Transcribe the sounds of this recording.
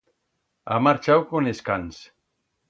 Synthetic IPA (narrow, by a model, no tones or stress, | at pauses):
a̰maɾt͡ʃawkoneskans